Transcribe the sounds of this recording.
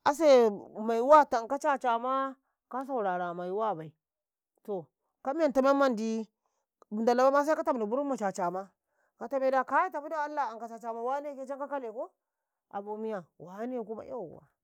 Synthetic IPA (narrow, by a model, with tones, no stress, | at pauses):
a˨s̬e˦ma˨i˨˦wa˦ta˨ŋka˦t͡ʃa˦t͡ʃa˨ma˦ | ka˦s̬a˨u˨ɾa˨ɾa˨ma˨i˨wa˦˨ba˨i˨ | to˨ | ka˦mi˦a˨nta˨me˦mːa˦ndi˦˨ | nda˨la˦ba˦ma˦s̬a˦ka˦ta˦m˨di˨bu˦ɾu˦mma˨t͡ʃa˨t͡ʃa˨ma˦ | ka˨ta˦me˦da˨ka˦ji˦ta˨pu˦da˦˨a˦lːa˨a˨ka˨t͡ʃa˨t͡ʃa˨ma˦wa˦ne˦ke˦t͡ʃa˦ŋka˦ka˦le˨ko˦ | ʔa̰˨bo˨mi˦ja˨wa˨˦ne˦˨ku˦ma̰˦a̰˦˨wa̰˨